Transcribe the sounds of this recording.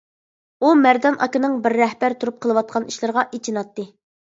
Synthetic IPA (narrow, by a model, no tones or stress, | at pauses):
umæɾd̪ɑnʔɑ̰kɪnɨŋbɪɾːɛhbæɾt̪ʰuɾup̚qʰəlˠəwɑt̪̚qʰɑniʃlˠɨɾʁɑʔet͡ʃʰinɑt̪ːɨ